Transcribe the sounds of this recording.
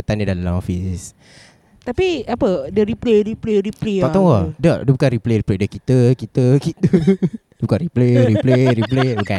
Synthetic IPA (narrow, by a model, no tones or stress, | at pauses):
ət̪anidallaɔfis | t̪apiapədəɾipleɾipleɾipleɔt̪ɔŋwədədəbukanɾipleɾipledəkit̪əkit̪əkit̪ədəbukanripleɾipleɾip̬lebuka